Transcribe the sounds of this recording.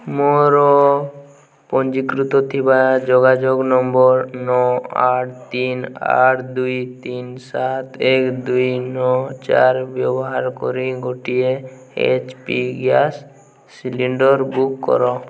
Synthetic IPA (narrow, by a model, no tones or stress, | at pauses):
moɾɔ | pɔnd͡ʒikɾut̪ɔt̪ʰibad͡ʒɔɡad͡ʒoɡnɔmbɔɾnɔaʈʰt̪ina̰ʈʰd̪ujt̪insat̪ekd̪ujnɔt͡ʃa̰ɾbjɔbɔɦaɾkɔ̰ɾiɡoʈie | ḛt͡ʃpiɡjasː | iliɳɖɔɾbukːɔ̰ɾɔ